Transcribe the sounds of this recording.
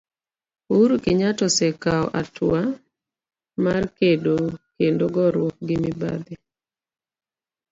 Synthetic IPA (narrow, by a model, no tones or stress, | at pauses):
uuɾukɪɲatɔsekaɔ̰ʔatwa | markedokendoɡɔɾwok̚ɡɪmɪba̰d̪ɪ